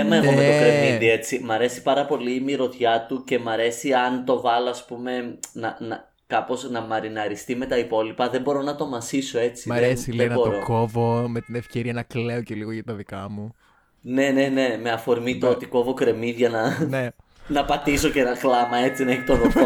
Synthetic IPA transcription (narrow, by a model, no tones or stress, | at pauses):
emɐeomet̪okɾe̞miðie̞t͡simɐɾe̞si̥pɐɾɐpo̞limiɾo̞t̪çɐt̪uce̞mɐɾe̞siɐnt̪o̞vɐloɐspume̞nɐnɐ | kɐpo̞snɐmɐɾinɐɾist̪ime̞t̪ɐipo̞lipɐðembo̞ɾo̞nɐt̪o̞mɐsiso̞e̞t͡siðesilenbo̞ɾokovomet̪inefce̞ɾiɐnɐkleoceliɣoʝɐt̪ɐðikɐmu | ne̞ne̞ne̞me̞ɐfo̞ɾmit̪oot̪iko̞vo̞kɾe̞miðʝɐnɐne | nɐpɐt̪iso̞ce̞nɐklɐmɐe̞t͡sinɐeçi̥t̪oɾot̪o